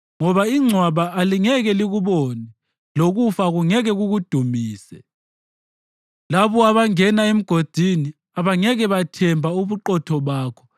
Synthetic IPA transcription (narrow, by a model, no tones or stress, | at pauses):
ŋɔβaiŋ͡ǀʱwaβaaliŋɛɣɛliɣuβɔnɛ | loɣufaɣuŋɛɣɛɣuɣud̥ʱumiːsɛ | laβɔaβaŋɛnaem̩ɡ̥ʱod̥ʱini | aβaŋɛɣɛβatʰɛmbʱauβuǃɔtʰɔβaːkʰɔ̥